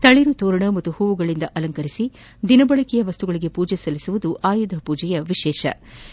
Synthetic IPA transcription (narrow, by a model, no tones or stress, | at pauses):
t̪ɐɭiɾut̪oːɾɐɳɐmɐt̪ːuhuːʋuɡɐɭind̪ɐʔɐlɐŋkɐɾisi | d̪inɐbɐɭɐkɛjɐʋɐst̪uɡɐɭiɡe̞puːd͡ʒɛsɐlisuʋud̪uʔaːjud̪ʱɦɐpuːd͡ʒɛjɐʋiʃɛːʃɐ̰